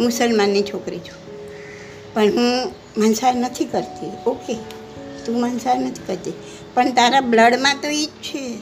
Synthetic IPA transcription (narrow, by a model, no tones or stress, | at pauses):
musəlmanːit͡ʃʰokɾit͡ʃʰu̥ | pəɳɦũ | mənsaɾnət̪ʰikəɾt̪ioke | t̪ũmənsaɾnət̪ʰi̥kəɾt̪i | pəɳt̪aɾabləɽmãt̪oet͡ʃʰe